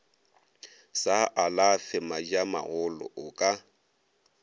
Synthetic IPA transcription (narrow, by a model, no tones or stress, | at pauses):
saʔalafɪmad͡ʒama̰ɣʊlɔ̰ʔʊkʼa